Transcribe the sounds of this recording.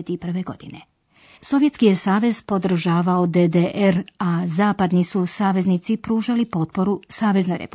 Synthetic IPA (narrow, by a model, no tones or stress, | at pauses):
et̪ipr̩ʋeɡo̞d̪ine | so̞ʋje̞t̪skijesaːʋe̞z̥po̞d̪r̩ʒaːʋaod̪ed̪eʔeɾazaːpad̪nisusaːʋe̞znit̪sipɾuːʒalipo̞t̪̚po̞ɾusaːʋe̞znojɾḛpu